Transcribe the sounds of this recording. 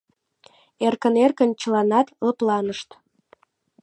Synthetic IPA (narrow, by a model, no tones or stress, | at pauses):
erkənerkənt͡ɕəlɑnɑt̪lə̆plɑnəʃt̪